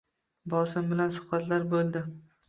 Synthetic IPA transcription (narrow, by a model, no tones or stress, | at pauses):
bɒsɪmbɪlansʊ̥χbat̪ʰlaɾbolˠd̪ɪ